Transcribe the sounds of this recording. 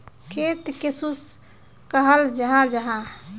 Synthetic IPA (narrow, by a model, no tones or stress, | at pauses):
kʰet̪kesus | kəɦəld͡ʒəɦãd͡ʒəɦã